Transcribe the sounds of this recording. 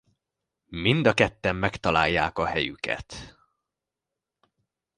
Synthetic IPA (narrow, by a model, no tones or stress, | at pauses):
mind̪ɒkɛt̪ːɛmːɛkt̪ɒlaːjːaːkɒhɛjy̰kɛ̰t̪